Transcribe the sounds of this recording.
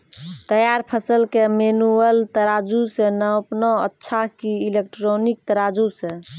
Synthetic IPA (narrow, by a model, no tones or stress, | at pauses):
t̪əjaɾpʰəsəlkemenuəlt̪əɾad͡ʒusenəpnoə̰tːʃʰakiːlek̚ʈɾonik̚t̪əɾad͡ʒusẽ